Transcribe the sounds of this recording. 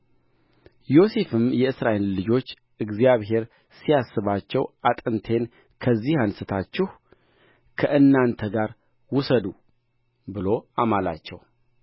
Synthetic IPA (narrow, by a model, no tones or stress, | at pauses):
jo̞se̞fɨmjɛɨsɾaʔe̞lːɨd͡ʒo̞t͡ʃː | ʔɨɡzjaβɦe̞ɾ | sijasːɨβat͡ʃːɛwʔat̪ʼɨnt̪ʰe̞n | kʰəzːihansɨt̪ʰat͡ʃːɪh | kʰəʔɨnːant̪ʰəɡaɾ | wʊsəd̪u | bɨlo̞amala̰t͡ʃːɛw